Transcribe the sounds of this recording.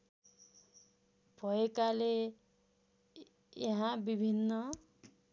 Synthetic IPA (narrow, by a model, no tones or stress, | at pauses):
b̥ʱʌekale | jʌɦãbibʱinːʌ